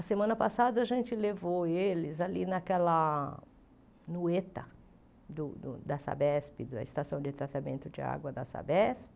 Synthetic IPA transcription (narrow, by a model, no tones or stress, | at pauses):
ɐsemɐ̃nɐpasad̪ɐɐʒẽnt͡ʃɪlevoelɪzalinɐkɛlɐ | nuet̪ɐ | d̪ʊd̪ʊd̪ɐsa̰bɛspɪd̪ɐ̰ɪst̪asɐ̃w̃d͡ʒɪt̪ɾat̪amẽnt̪ʊd͡ʒɪa̰ɡwɐd̪ɐ̰sa̰bɛspɪ